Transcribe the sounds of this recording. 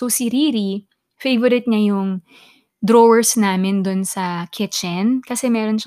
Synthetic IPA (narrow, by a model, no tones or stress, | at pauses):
osɪɾiːɾi | fejvoɾɪt̪̚ɲɐjʊŋ | d̪ɾoːwɛɹsnaːmɪnd̪ʊnsɐkʰɪt͡ʃɛnkɐsɛmɛːɾo̞nʃ